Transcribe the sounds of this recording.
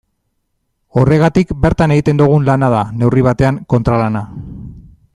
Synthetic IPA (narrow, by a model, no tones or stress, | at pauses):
o̞re̞ɣ̞at̪ikbe̞ɾt̪ane̞ɣit̪e̞nd̪uɣ̞unlanað̞ane̞wriβat̪e̞aŋko̞nt̪ɾalana